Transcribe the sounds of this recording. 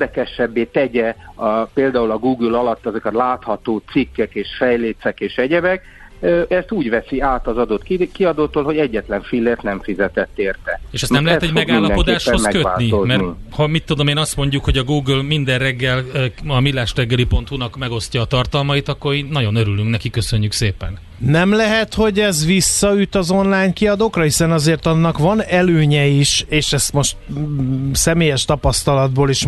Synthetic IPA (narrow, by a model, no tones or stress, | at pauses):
d̪ɛkɛʃɛbːeːt̪ɛɟɛpeːld̪aːulɒɡuːɡylɒlɒt̪ːɛzokɛt̪laːt̪hɒt̪oːt̪sikːɛkeːʃfɛjleːt̪sɛkeːʃɛɟɛbɛk̚ː | ɛst̪uːɟvɛsiaːt̪ɒzɒd̪o̞t̪kiɒd̪oːt̪oːlɦoɟɛɟːɛt̪lɛɱfilːeːrt̪nɛɱfizɛt̪ɛt̪ːeːrt̪ɛeːʃɛst̪ɛmlɛɛt̪ɛɟmɛɡaiːnlːɒd̪ɛpo̞d̪aːʃosɛkøt̪aːinomɛrihɒmit̪ːud̪o̞meːnɒst̪mo̞ɲɟukho̞ɟɒɡuːɡylmind̪ɛrrɛɡːɛlːɒmilːaːʃrɛɡːɛlipo̞nt̪hunɒkmɛɡo̞sc̪ɒːt̪ɒrt̪ɒlmɒit̪ɒkːo̞ɾeːnːɒɟo̞nøɾylyŋknɛkikːø̞sø̞ɲːykseːpɛ̰n | nɛmlɛɦɛt̪ho̞ɟɛzʋisːɒyt̪ɒzo̞nlaːjɲkiɒd̪oːkrɒhisɛnɒzeːrt̪ɒnːɒkʋɒnɛløːɲɛiʃeːʃɛst̪mo̞ʃt̪ | sɛmeːjɛʃt̪ɒpɒst̪ɒlɒd̪̚boːliʃ